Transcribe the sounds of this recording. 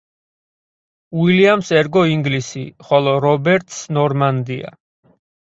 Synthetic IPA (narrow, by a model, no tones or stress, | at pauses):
wiliamsɛɾɡɔiŋɡlisiχɔlˠɔɾɔbɛɾt̪ʰsnɔɾmand̪ia̰